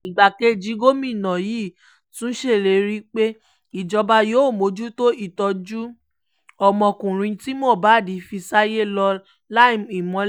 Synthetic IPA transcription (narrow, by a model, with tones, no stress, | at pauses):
i˨ɡ͡ba˨ke˦˨d͡ʒi˨˦ɡo˦mĩ˦˨nã˨jiː˦˨ | tũ˦ʃe˦˨le˨ɾi˦k͡pe˦ | i˨d͡ʒɔ˧ba˧jo˨˦˨mo˨˦d͡ʒu˦to˦i˦˨tɔ˧d͡ʒu˦ | ɔ˦˨mɔ̃˧˨kũ˨ɾ̃ĩ˧ti˦mɔ̃˦˨ba˨˦˨di˨˦fi˧sa˦je˦lɔ˧ | la˦i˦˨mi˨mɔ̃˧